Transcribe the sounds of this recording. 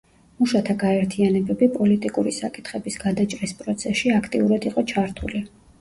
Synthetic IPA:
muʃat̪ʰaɡaɛɾt̪ʰianɛbɛbipʼɔlit̪ʼikʼuɾisakʼi̥t̪ʰχɛbisɡ̥ad̪at͡ʃʼɾispʼɾɔt̪sʰɛʃiakʰt̪ʼiuɾad̪iqʼɔt͡ʃʰaɾt̪ʰṵli

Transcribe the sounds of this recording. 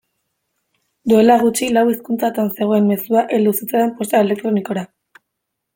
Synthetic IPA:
d̪ue̞laɣ̞ut͡ʃilawiskunt͡sat̪anse̞ɣ̞o̞e̞mme̞suaʔeld̪usit͡saempo̞st̪aele̞k̚t̪ɾoniko̞ɾa

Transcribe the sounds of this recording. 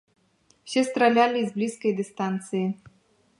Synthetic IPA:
wsʲɛst̪ɾalʲalʲizblʲiskɐjd̪ɨst̪ant̪sɨji

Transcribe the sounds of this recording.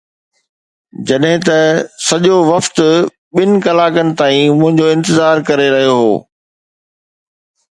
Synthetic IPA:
d͡ʑɐɗɦɪ̃t̪ɐsɐʄoʋɐft̪ʊ | ɓɪnɪ̆kɐlaːkənɪ̆t̪aːĩmʊ̃ɦɪ̃ɲd͡ʑoɪ̃nt̪ɪzaːɾkɐɾeɾɐɦijoɦo̰ː

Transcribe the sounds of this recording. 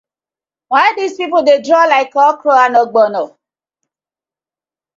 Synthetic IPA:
waɪdispipodedɹɔlaɪkɔkɾoanɔɡ͡bɔnɔ

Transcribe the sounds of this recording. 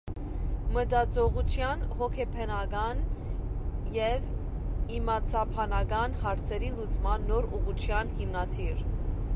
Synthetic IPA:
məd̪ɑt͡sɔʁut͡sʰjɑnhɔkʰɛpʰɛnɑɡɑn | jɛv | imɑt͡sʰɑpʰɑnɑkɑnhɑɾt͡sʰɛɾilut͡smɑnːɔɾuʁut͡ʃʰjɑnhimnɑt̪ʰiɾ

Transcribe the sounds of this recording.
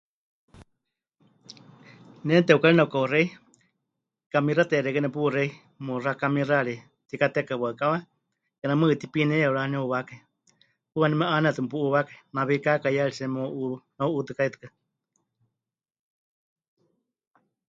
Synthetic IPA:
nɛnt̪ɛukaɺinaukaurɛi | kamirat̪ɛɾɛkɛnɛpurɛi | murakamiraɺi | t̪ikat̪ɛkaβakawa | kɛnamɨt̪ipinɛjauɺaniuβakai | puwanimɛʔaneat̪ɨmɨpuʔuβakainaβikakajaɺisɛmoʔunauut̪ɨkait̪ɨ̥kɨ

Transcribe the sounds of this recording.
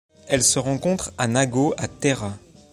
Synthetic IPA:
ɛlsəʁɑ̃kɔ̃t̪χanaɡoat̪eʁa

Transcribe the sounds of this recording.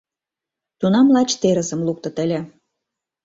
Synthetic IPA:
t̪unɑmlɑt͡ɕt̪eɾə̆zə̆mluk̚t̪ɤ̆t̪əlʲe

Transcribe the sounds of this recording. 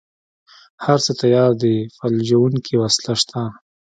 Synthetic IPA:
haɾt͡sət̪ajɑɾd̪əfald͡ʒawuŋkʰiwaslaʃt̪ʰa

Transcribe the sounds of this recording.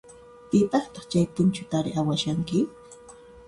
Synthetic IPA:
pɪpʼɑχt̪ɑχt͡ʃajt̪ʊnt͡ʃʊt̪aɾɪʔawaʃaŋkɪ

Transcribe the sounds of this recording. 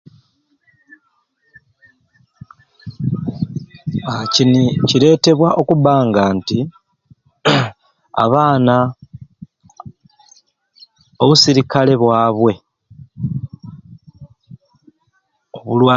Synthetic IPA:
acinicile̞ːte̞βwaʔo̞kuβaːŋɡaːnti | a̰βaːna | o̞βusiɾikale̞βwaːβwe̞ | oβulwaː

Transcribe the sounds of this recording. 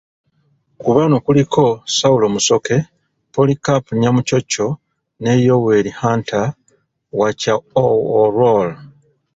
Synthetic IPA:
kuβanokulikʰo̞saulo̞muso̞ke̞ | polikapɲamuco̞cːo̞ | ne̞jo̞we̞ɾihaːnta | wacaooɾol

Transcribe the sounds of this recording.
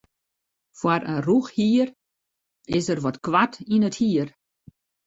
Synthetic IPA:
fwaɾənruxhiər | ɪsərʋɔtkʋatʰinəthiːər

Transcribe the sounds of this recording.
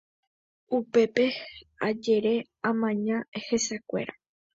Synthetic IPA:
upe̞pe̞ad͡ʒe̞ɾe̞ | ãmãɲãehesakʷe̞̰ɾa

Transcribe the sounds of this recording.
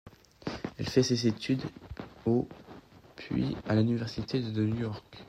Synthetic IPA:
ɛlfɛsezet̪ʰyd̪o | pʰɥḭalynivɛʁsit̪ed̪ənujɔʁk

